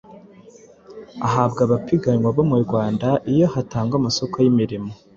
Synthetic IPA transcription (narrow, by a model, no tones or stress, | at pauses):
a̰ɦabɡaβapiɡaɲwaβomuɾɡwaːndaʔijo̞hataːŋɡamaso̞kojimiɾimo̞